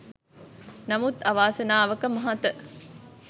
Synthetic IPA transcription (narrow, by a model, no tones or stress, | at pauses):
nɐmut̪ɐʋaːsɐnaːʋəkəmɐɦat̪ə